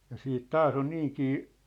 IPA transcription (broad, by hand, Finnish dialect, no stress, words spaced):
jɑ siːt tɑːs on niːŋkiː